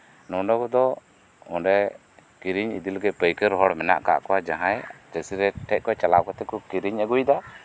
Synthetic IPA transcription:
nɔnɔkɔd̪ɔ | ɔnɖɛ | kiɾiɲid̪ilɡɛpəjkəɾɦɔɽmɛna̰ʔka̰ʔkɔwad͡ʒaɦãjd͡ʒəsiɾɛʈʰɛʔ̚kɔt͡ʃalaʔ̚kɔt̪ɛkɔkiɾiɲəɡujd̪a

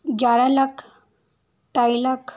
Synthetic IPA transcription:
ɡjaɾalakʰ | t̪ajlakʰ

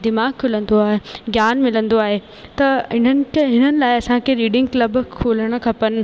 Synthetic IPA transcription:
d̪ɪmaːɡkʰʊlə̃nd̪oaːɦeɡjaːnmɪlə̃nd̪oaːɦeː | t̪ɐɪn̤ənɪ̆ɦɪn̤ənɪ̆laːɪɐsãkʰeɾiːɖɪ̃ŋɡklɐb̆kʰoːləɽ̃ə̆kʰɐpənɪ̆

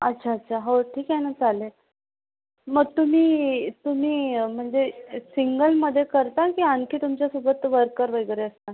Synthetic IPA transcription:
ətːɕʰaət̪ːɕʰaɦəʋəʈʰiːkɛnəd͡zale | məɡ̚t̪um̤iːt̪um̤iːm̤əɳd͡zesiŋɡəlməd̪ʱːjekəɾt̪akiːankiːt̪umt͡ɕjasubət̪ʋəɾkəɾʋəjɡɾeəst̪a

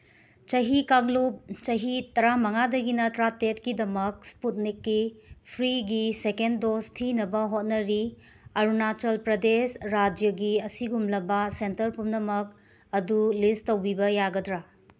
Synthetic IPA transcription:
t͡ʃɐɦikaŋlup̚t͡ʃɐɦitɐɾamɐŋadɐɡinɐtɾatetkidɐmɐk̚sput̚nikːipʰɾiɡisekendostʰinɐbɐɦot̚nɐɾi | ɐɾunat͡ʃɐlpɾɐdesɾad͡ʒjɐɡiɐsiɡumlɐbɐsentɐɾpumnɐmɐk̚ | ɐdulistowbibɐjaɡɐdɾa

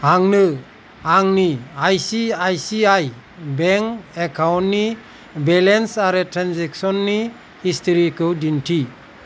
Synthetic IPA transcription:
aŋnɯ | aŋniajsiajsiaj | bɛŋkɛkʰawntni | bɛlensaɾetʰɾanzɛksɔnːi | histʰɔɾikʰɯwdintʰi

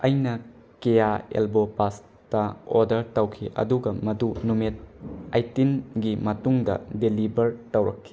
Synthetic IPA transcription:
ɐjnɐ | kejaḛlbopas | tɐo̰ɾdɐɾtɐwkʰiʔɐ̰duɡɐmɐdunumit̚ajtinɡimɐtuŋdɐ̰delibɐɾtɐwɾɐkʰːi̥

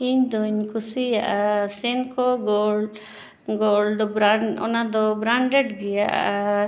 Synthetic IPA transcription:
iɲd̪uɲkusijaʔasɛnkɔɡɔl | ɡɔldɔbɾaɳɔ̰nad̪ɔbɾaɳɖɛɖɡɛjaʔʔa

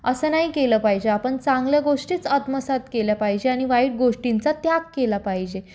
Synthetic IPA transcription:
əsəːnaɦikeləːpaɦid͡ʑeapəɳt͡sãŋɡljaɡoʂʈiːt͡səd̪məsat̪keljapaɦid͡ʑeaɽ̃iʋaiːɽ̚ɡoʂʈint͡sat̪jakkelapaɦid͡ʑe

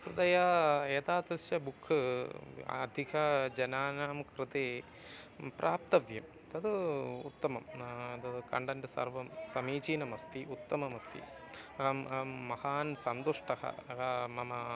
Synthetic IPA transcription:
sud̪ɐjɐeːt̪aːd̪ɾɨʃjɐbukʰːɨ | ɐ̰d̪ʱikʰɐd͡ʒɐnaːnaːmkɾɨt̪eː | pɾʔaːp̚t̪ɐʋjɐm | t̪ɐd̪ɨut̪ːɐmɐmt̪ɐd̪ɨkɐ̰ɳɖɐndɐsɐ̰rʋɐmsɐmiːt͡ʃiːnɐmɐst̪iʔut̪ːɐmɐmɐst̪ʰḭ | ɐɐmɐhaːnsɐnd̪uʂʈɐhɐ̰ɐmɐmɐ

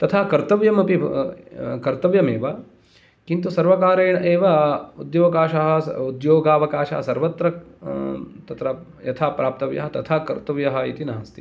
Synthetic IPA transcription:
t̪ɐt̪ʰaːkɐɾt̪ɐʋjɐmɐpi | kɐɾt̪ɐʋjɐmeːʋɐ | kint̪usɐɾʋɐkaːɾeːɳɐʔeːʋɐud̪joːɡaːʃɐɦɐud̪joːɡaːʋɐkaːʃa̰ːɦɐsɐɾʋɐt̪ɾɐ | t̪ɐt̪ɾɐ | jɐt̪ʰaːpɾaːp̚t̪ɐʋjɐ̰ɦɐt̪ɐt̪ʰaːkɐɾt̪ɐʋjɐɦɐit̪inɐɦɐst̪i̥

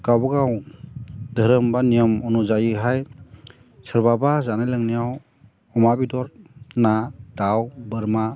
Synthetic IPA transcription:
kawbaɡaw | dʱəɾəmbanijəmɔnuzajiɦaj | sɯɾbabazanajlaŋnijaw | ɔmabidɔɾnadawbɯɾma

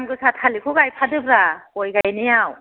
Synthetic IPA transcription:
mɡɯsatʰalikʰɔɡajpʰadɯbɾakojɡajnejaw

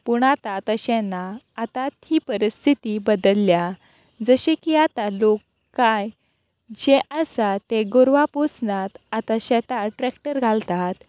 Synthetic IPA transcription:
puɳat̪at̪əɕɛ̃naː | t̪at̪hiːpəɾist̪ʰit̪ibəd̪əlːja | d͡zəɕekiat̪alokː | aj | d͡ʑeʔəsat̪eɡoɾʋaposnat̪at̪aɕɛt̪aʈɾɛkʈəɾɡʱalt̪at̪

